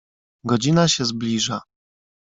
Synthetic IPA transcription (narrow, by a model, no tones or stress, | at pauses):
ɡɔd͡ʑinaɕɛzblʲiʐa